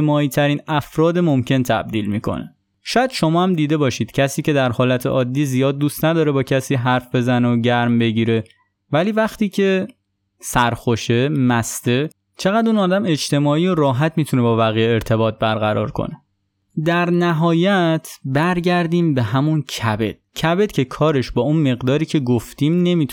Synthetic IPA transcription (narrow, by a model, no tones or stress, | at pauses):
emɒːiːt̪ʰæɾiːnæfɾɒːd̪emo̞mcʰe̞nt̪ʰæ̰b̚d̪iːlmiːkʰo̞̰ne | ʃɒːjæd̪̥ʃo̞mɒːhæmd̪iːd̪e̞bɒːʃiːd̪̥cʰæsiːce̞d̪æɾhɒːlæt̪ʰḛʔɒːd̪ːiːzijɒːd̪ːuːst̪næd̪ɒːɾebɒːcʰæsiːɦæɾfbe̞zænooɟæɾmbe̞ɟiːɾe̞ | væliːvæxt̪iːcʰe̞ | sæɾxo̞ʃe̞mæst̪e̞ | t͡ʃʰe̞ɣæd̪uːnɒːd̪æme̞t͡ʃt̪e̞mɒːiːjoɾɒːɦæt̪ʰmiːt̪ʰune̞bɒːvæɣijeːɾt̪ʰe̞bɒːt̪̚ʰbæɾɣæɾɒ̰ːɾkʰo̰ne̞ | d̪æɾnæɦɒːjæt̪ʰbæɾɟæɾd̪iːmbe̞ɦæmuncʰæbe̞̰d̪̥̚cʰæbe̞d̪̥cʰe̞kʰɒːɾe̞ʃbɒːunme̞ɣd̪ɒːɾiːcʰe̞ɡoft̪iːmne̞miːt̪ʰ